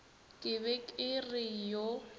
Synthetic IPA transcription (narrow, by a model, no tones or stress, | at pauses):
kʼɪβɛkʼɪrɪjo